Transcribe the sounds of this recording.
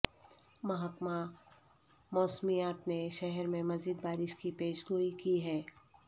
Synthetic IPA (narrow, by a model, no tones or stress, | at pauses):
mɐɦakma | mɔːsmijaːt̪neʃɛɦɛɾmẽmɐziːd̪̚baːɾɪʃkipeːʃɡuːikiɦɛː